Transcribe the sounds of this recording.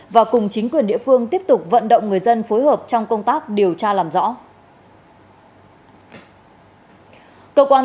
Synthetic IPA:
vaː˨˩kʊ˨˩ŋ͡mt͡ɕï˨˦ŋ̟kwi˨˩ənɗḭ˧˨əfɨ˧əŋt̪i˦˥əp̚t̪ʊ˨˩k͡p̚və̰˧˨nɗə̰˧˨wŋ͡mŋɨ˨˩əjzə˧nfo˨˦jɦəː˨˩p̚t͡ɕɔ˧wŋ͡mkə˧wŋ͡mt̪aː˦˥k̚ɗi˨˩əwt͡ɕaː˧laː˨˩mzɔ̰˧˥ | kəː˧kwaː˧

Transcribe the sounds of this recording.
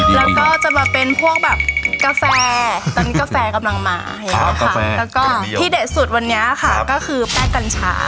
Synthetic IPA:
lɛː˦˥wkɔː˥˩t͡ɕa˨˩bɛː˨˩pːe˧npʰu˥˩ək̚bɛː˨˩p̚ka˧fɛː˧t̪ɔː˧˩ni˥˩ka˧fɛː˧ka˧mla˧ŋma̰ː˧˩˨ŋa˧˥˦ka˥˩lɛː˦˥wkɔː˥˩iː˥˩de˨˩t̪̚su˨˩t̪̚wa˧nːi˦˥ɐ˨˩kʰa˥˩kɔː˥˩kʰɯː˧pɛː˥˩kːa˧nt͡ɕʰa̰ː˦˥

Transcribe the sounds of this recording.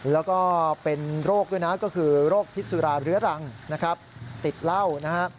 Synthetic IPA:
lɛː˦˥wkɔː˥˩pe˧nɾoː˥˩k̚duː˥˩jna˦˥kɔː˥˩kʰɯː˧ɾoː˥˩k̚pʰi˦˥t̪su˧ɾaː˧ɾɯ˦˥ɐɾa˧ŋna˦˥kʰɾa˦˥p̚t̪i˨˩t̪̚la˥˩wna˦˥a˦˥ʔ

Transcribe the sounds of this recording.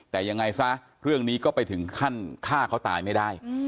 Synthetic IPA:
t̪ɛː˨˩ja˧ŋːa˧jsa˦˥ | ɾɯ˥˩əŋniː˦˥kɔː˥˩pa˧jt̪ʰɯ˩˦ŋkʰa˥˩nkʰaː˥˩kʰa˦˥wt̪a̰ː˧jma˥˩jdaː˥˩j

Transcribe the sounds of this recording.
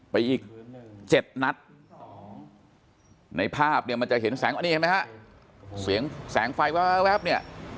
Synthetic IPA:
pa˧jʔiː˨˩k̚t͡ɕe˨˩t̪̚na˦˥t̪̚ | na˧jpʰaː˥˩p̚ni˥˩ɐma˧nt͡ɕa˨˩ʔhe˩˦nsɛː˩˦ŋʔa˧nːiː˥˩ma˥ka˦˥ʔ | si˩˦əŋsɛː˩˦ŋfa˧jwaː˦˥wɛ˦˥p̚ni˥˩ɐ

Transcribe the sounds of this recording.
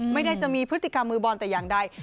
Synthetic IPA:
ma˥˩jda˥˩t͡ɕa˨˩ʔmiː˧pʰɯ˦˥t̪ʰːi˨˩ka˧mːɯː˧bɔː˧nt̪ɛː˨˩jaː˨˩ŋda˧˩j

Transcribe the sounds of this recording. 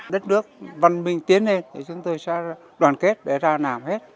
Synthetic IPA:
ɗə˦˥t̚nɨ˦˥ək̚və˨˩nmï˨˩ŋ̟t̪i˨˦ənːe˧nt̪ʰi˧˨˩t͡ɕʊ˨˦ŋ͡mt̪o˧jsɛ̰˧˥˧ | ɗwaː˨˩nke˦˥t̚ɗe˧˩zaː˧naː˨˩mhe˦˥t̚

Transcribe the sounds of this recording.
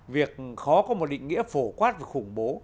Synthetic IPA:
vi˨˩ək̚xɔ˨˦kɔ˨˦mo˨˩t̚ɗḭ̈˧˨ŋ̟ŋi˧˥əfo˧˩kwaː˦˥t̚vaː˨˩xʊ˧˩ŋ͡mɓo˨˦

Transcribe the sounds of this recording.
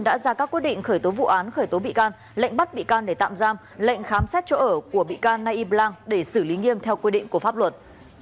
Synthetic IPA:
nɗa̰ː˧˥zaː˧kaː˦˥kːwt̚ɗḭ˧˨ŋ̟xəː˧˩jt̪o˨˦vṵ˧˨ʔaː˨˦nxəː˧˩jt̪o˨˦ɓḭ˧˨kaː˧n | lə̰˧˨jŋ̟ɓa˦˥t̚ɓḭ˧˨kaː˧nɗe˧˩t̪a̰ː˧˨mzaː˧m | lə̰˧˨jŋ̟xaː˨˦msɛ˦˥t̚t͡ɕo̰˧ʔəː˧˩ku˧˩əɓḭ˧˨kaː˧nːaː˧jʔi˧plaː˧ŋɗe˧˩sɨ˧˩li˨˦ŋi˧əmt̪ʰɛ˧wkwi˧ɗḭ̈˧˨ŋ̟ku˧˩əfaː˦˥p̚lwə˨˩t̚

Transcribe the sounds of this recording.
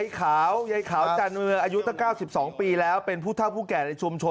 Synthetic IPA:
jkʰaː˩˦wja˨˧˦jkʰaː˩˦wt͡ɕa˧nmɯ˧əŋʔaː˧ju˦˥t̪ʰaː˥˩ŋkaː˥˩wsi˨˩p̚sɔː˩˦ŋpiː˧lɛː˦˥wpe˧npʰuː˥˩t̪ʰa˥˩wpʰuː˥˩kɛː˨˩na˧jt͡ɕʰu˧mt͡ɕʰo˧

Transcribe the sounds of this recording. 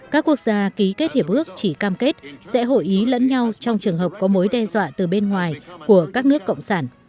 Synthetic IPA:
kaː˦˥kːu˦˥ək̚zaː˧ki˨˦ke˦˥t̚hi˨˩əp̚ʔɨ˦˥ək̚t͡ɕi˧˩kaː˧mke˦˥t̚sɛ̰˧˥ɦo̰˧˨jʔi˨˦lə̰˧˥nɲa˧wt͡ɕɔ˧wŋ͡mt͡ɕɨ˨˩əŋɦəː˨˩p̚kɔ˨˦mo˨˦jɗɛ˧zwa̰ː˧˨t̪ɨ˨˩ɓe˧nŋwaː˨˩jku˧˩əkaː˦˥k̚nɨ˦˥əkːə̰˧˨wŋ͡msaː˧˩n

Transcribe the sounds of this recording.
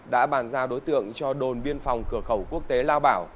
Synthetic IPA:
ɗa̰ː˧˥ɓaː˧˩nzaː˧ɗo˨˦jt̪ɨ̰˧˨əŋt͡ɕɔ˧ɗo˨˩nɓi˧ənfa˨˩wŋ͡mkɨ˧˩əxə˧˩wku˦˥ək̚t̪e˨˦laː˧wɓaː˧˩w

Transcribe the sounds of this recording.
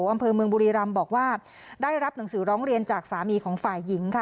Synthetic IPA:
ʔa˧mpʰɤː˧mɯ˧əŋbuː˧ɾiː˧ɾa˧mbɔː˨˩k̚waː˥˩ | daː˥˩jɾa˦˥p̚na˩˦ŋsɯː˨˩˦ɾɔː˦˥ŋɾi˧ənt͡ɕaː˨˩k̚saː˩˦miː˧kʰɔː˩˦ŋfaː˨˩jːi˩˦ŋkʰa˦˥˩

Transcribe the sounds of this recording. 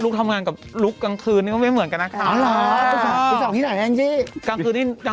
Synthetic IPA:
lu˦˥k̚t̪ʰa˧mŋaː˧nka˨˩p̚lu˦˥kːaː˧ŋkʰɯː˧nːiː˥˩ɔ˥˩˧m˩˦nka˧nːa˦˥ka˧˩˧ | sa˨˩iː˥na˨˩˦jt͡ɕi˦˥˩kaː˧ŋʰɯː˧nːiː˥˩ja˧

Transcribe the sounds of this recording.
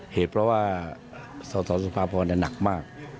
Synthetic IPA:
heː˨˩˦t̪̚pʰɾɔ˦˥waː˥˩ | sɔː˨˦sɔː˨˦nsu˨˧pʰaː˧pʰɔː˧naː˧˥˩na˨˩k̚maː˥˩k̚

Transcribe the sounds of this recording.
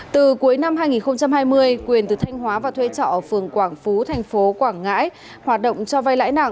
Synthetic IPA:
t̪ɨ˨˩ku˨˦əjna˧mɦaː˧jŋi˨˩nxə˧ŋ͡mt͡ɕa˧mhaː˧jmɨ˧əjkwi˨˩ənt̪ɨ˨˩t̪ʰa˧jŋ̟ɦwaː˨˦vaː˨˩t̪ʰwe˧t͡ɕɔ̰˧˨ʔə˧˩fɨ˨˩əŋkwaː˧˩ŋfu˨˦t̪ʰɛ˨˩jŋ̟fo˨˦kwaː˧˩ŋːa̰ː˧˥j | hwaː˨˩t̚ɗə̰˧˨wŋ͡mt͡ɕɔ˧va˧jla̰ː˧˥jna̰ː˧˩˨ŋ

